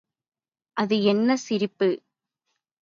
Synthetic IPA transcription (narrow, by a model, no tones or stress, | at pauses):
ʔɐðɯɛnːɐsɪɾɪpːɯ